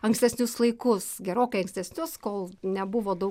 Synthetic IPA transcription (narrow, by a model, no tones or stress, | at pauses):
ɐŋksʲtʲɛsʲnʲʊslˠɐɪkʊsɡʲɛɾoːkɐɪɐŋksʲt̪ʲɛsʲnʲʊskoːlˠnʲɛbʊʋoːd̪ɐʊ